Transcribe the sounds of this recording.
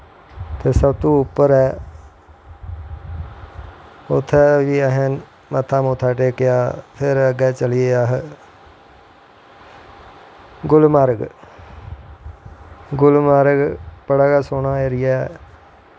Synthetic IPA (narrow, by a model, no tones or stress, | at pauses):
t̪eːsəbt̪ũːʊpːəɾɛː | ʊt̪ʰːɛʋiːəɦen | mət̪ʰːaːmoːt̪ʰaːʈeːkɪjaːpʰɪɾəɡɛːt͡ʃəlɪjeːaːɦ | ɡʊlmaːɾɡ | ɡʊlmaːɾɡpəɽaːɡaːsoːnãːeːɾɪjɛː